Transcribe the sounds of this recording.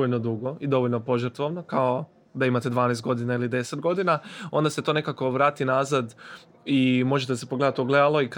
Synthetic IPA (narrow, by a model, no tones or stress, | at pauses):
oʎnod̪uɡo̞id̪o̞ʋoʎʲnopo̞ʒəɾt̪ʋoʋnokao | d̪aimat̪e̞d̪ʋaːnejst̪ɡo̞d̪inailid̪e̞set̪̚ɡo̞d̪inaõ̞nd̪ase̞t̪one̞kako̞ʋɾaːt̪inazad̪ | imo̞ʒet̪esepo̞ɡle̞d̪at̪oɡle̞d̪alo̞ik